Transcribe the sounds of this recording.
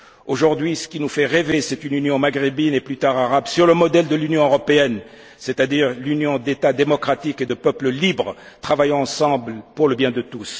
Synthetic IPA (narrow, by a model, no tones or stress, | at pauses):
oʒuʁd̪ɥisə̥kʲinufɛʁevesɛt̪ynynjɔ̃maɡʁibineplyt̪aʁaʁabsyʁləmɔd̪ɛld̪əlynjɔ̃øʁɔpeɛn | sɛt̪ad̪iʁlynjɔ̃d̪et̪ad̪emɔkχat̪iked̪əpœpləlibʁə | t̪χavajɑ̃ɑ̃sɑ̃blpuʁləbjɛ̃d̪ət̪us